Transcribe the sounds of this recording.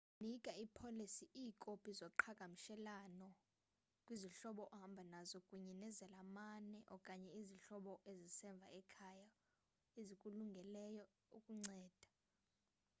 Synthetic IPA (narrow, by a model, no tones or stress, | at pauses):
nikʼaipʰolisiʔiːkʼopʼizɔǃʰaɡ̥ʼʱamiʃɛlanɔ | kʼwiziɬɔɓɔʔɔhambʱanazɔkʼuɲɛnɛzɛlamanɛʔɔkʼaɲɛiziɬɔɓɔʔezisɛɱb̪vʱa̰ɛkʰaja | ezikʼuluŋɡʱɛlɛjɔ | ukʼuŋ͡ǀɛːd̥ʱa